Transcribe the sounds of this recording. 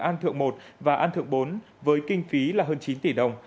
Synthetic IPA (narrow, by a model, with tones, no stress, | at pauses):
ʔaː˧nt̪ʰɨ̰˧˨əŋmo˨˩t̚vaː˨˩ʔaː˧nt̪ʰɨ̰˧˨əŋɓo˨˦n | vəː˨˦jkï˧ŋ̟fi˨˦laː˨˩ɦəː˧nt͡ɕi˨˦nt̪i˧˩ɗə˨˩wŋ͡m